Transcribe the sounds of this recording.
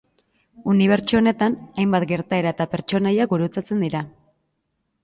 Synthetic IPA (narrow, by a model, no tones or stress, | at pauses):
uniβ̞e̞ɾt͡ʃuone̞t̪anajmbat̪ɡe̞ɾt̪ae̞ɾae̞t̪ape̞ɾt͡ʃo̞najaɡuɾut͡sat͡se̞nd̪iɾa